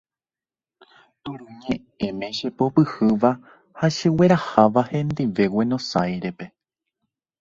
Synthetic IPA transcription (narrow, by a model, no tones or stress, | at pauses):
t̪uɾũɲẽ | ẽmẽ̞ʃepopɨhɨʋa | haʃɨwe̞ɾahaʋahẽ̞nd̪iʋe̞wenõ̞sajɾe̞pe